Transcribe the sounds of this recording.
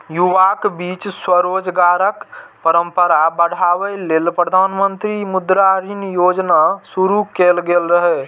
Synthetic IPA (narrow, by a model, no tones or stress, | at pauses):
juʋakbit͡ʃswəɾod͡ʒɡaɾəkpəɾəmpəɾabəɽ̤aʋɛlelpɾəd̪ʱanmənt̪ɾimud̪ɾaɾinjod͡ʒnasuɾukelɡelɾəɦɛ